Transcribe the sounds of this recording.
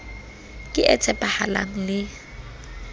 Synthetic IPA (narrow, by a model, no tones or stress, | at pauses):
kʼɪʔɛt͡sʼɛpʼahala̰ŋ̩lɪ